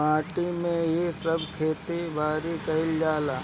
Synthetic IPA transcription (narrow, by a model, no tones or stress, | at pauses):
aːʈimẽjesəbkʰeːt̪ibʱaːɾikɐɦɪld͡ʒaːlaː